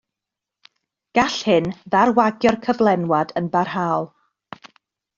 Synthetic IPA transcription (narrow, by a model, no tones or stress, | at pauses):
ɡ̥aɬhɪnðarwaɡjɔrkʰəvlˠɛnwadənbarɦaːlˠ